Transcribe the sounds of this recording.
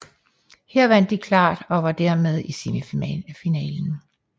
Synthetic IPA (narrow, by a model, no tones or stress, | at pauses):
hɛɐʋæn̰d̥ːikʰlɑ̰̈ːd̥ɒ̽ʋɑ̈d̥æɐ̰með̞ˠisemifinɛ̰ːln̩